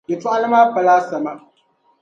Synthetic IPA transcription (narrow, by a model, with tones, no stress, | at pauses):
jɪ˨tu˦ʔa˦lmaː˦ɸɐ˨laː˦sɐ˨ma˦